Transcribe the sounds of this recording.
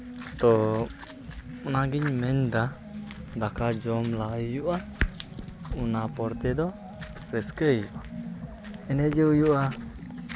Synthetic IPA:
t̪ɔ | unaɡiɲmɛɲd̪a | d̪akad͡ʒɔmlajuʔa | unapɔɾt̪ɛd̪ɔ | ɾɛskəjuʔ | ɛnɛd͡ʒɛujuʔa

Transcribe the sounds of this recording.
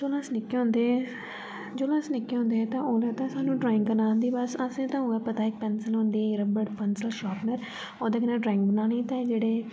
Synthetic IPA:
d͡ʒoːlaːsnɪkːeɦʊ̃nd̪e | d͡ʒoːlaːsnɪkːeɦõnd̪eːt̪ãːoːlaːt̪ãːsaːnũːɖɾaːɪ̃ŋɡbənãːnd̪iːbəsasẽːt̪ãːɦʊːɛːpət̪aːɪk̚pɛːnsəlɦʊ̃nd̪iːɾəbəʈpənsəlʃaːpnəɾ | oːd̪eːkɪnãɖɾaːɪ̃ŋk̚bənaːnĩːt̪ãːd͡ʒeːɽeː

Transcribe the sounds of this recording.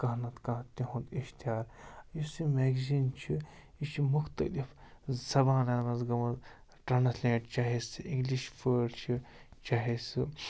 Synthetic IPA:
kɐɦnɐt̪kãːt̪iɦũnd̪iʃt̪aːɾjisimeːɡziːnt͡ʃʰi | it͡ʃʰimʊxt̪ɐ̰lifzɐbaːnaːnɐzɡɐmɐz | ʈɐnɐt̪lʲẽːʈt͡ʃaɦesiŋɡliʃfəːɽt͡ʃʰit͡ʃaːɦesɨ

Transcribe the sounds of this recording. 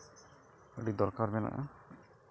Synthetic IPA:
əɖid̪ɔɾkaɾmɛna̰ʔa

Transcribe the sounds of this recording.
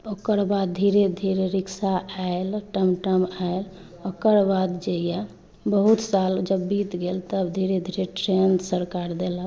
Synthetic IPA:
okəɾbad̪̚d̪ʱiɾed̪ʱiɾeɾiksaaelʈəmʈəmael | okəɾbad̪d͡ʒeja | bəɦut̪sald͡ʒəbːit̪ɡelt̪əbd̪ʱiɾed̪ʱiɾeʈɾensəɾkaɾd̪elə

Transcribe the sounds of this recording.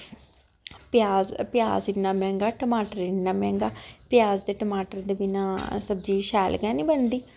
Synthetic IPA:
pjaːzpɪja̰ːzɪnːãːmɛ̃ːŋɡaːʈəmaːʈəɾɪnːaːmɛ̃ːŋɡaːpɪjaːzd̪eːʈəmaːʈəɾd̪eːbɪnãːsəbd͡ʒiːʃɛːlɡɛːnĩːbənd̪iː

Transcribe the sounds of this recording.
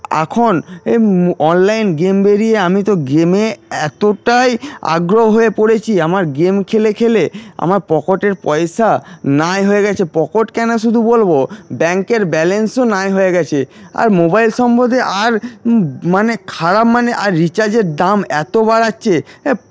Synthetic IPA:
a̰kʰoneɔnlajnɡembeɾieamit̪oɡemeɛt̪oʈaja̰ɡɾoɦoɦoepoɽet͡ɕʰiamaɾɡemkʰelekʰelea̰maɾpɔkoʈeɾpɔeʃanajɦoeɡɛt͡ɕʰepɔkoʈkɛnoʃ̬ud̪ʱubolbobɛŋkeɾbɛlensonajɦoeɡɛt͡ɕʰea̰ɾmobajlʃɔmbod̪ʱeʔaɾ | manekʰaɾapmaneʔaɾːit͡ɕaɾd͡ʑeɾdamɛt̪obaɾatːɕʰe

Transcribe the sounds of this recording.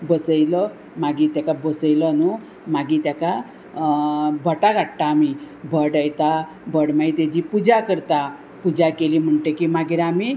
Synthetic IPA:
bəsəjlɔ | maɡit̪jakabəsəjlɔnu | maɡit̪jaka | bʱəʈaɡʱaʈʈ̪aːmi | bʱəɽəjt̪a | bʱəɽmait̪ed͡ʑipud͡ʑakəɾt̪a | pud͡ʑakelim̤əɳʈekimaɡiɾami

